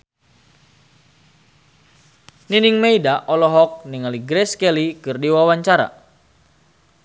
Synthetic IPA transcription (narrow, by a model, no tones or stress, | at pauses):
niniŋmeidaʔɔlɔɦɔk̚niŋaliɡɾɛskɛlikɨrdiwawaɲt͡ʃaɾa̰